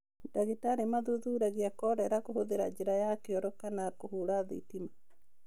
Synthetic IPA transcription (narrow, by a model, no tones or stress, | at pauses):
daɣetaɾemaðuðuɾaɣiakɔɾɛɾakohoðeɾad͡ʒeɾajakeɔɾɔkanakohuɾaðḭtima